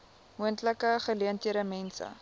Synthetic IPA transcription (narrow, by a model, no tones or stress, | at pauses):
muəntləkəχəliəntiəɾəmɛnsə̰